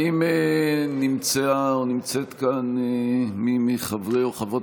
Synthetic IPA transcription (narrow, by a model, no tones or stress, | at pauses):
imenimt͡seaonimt͡set̪kanemimiχavʁeoχavot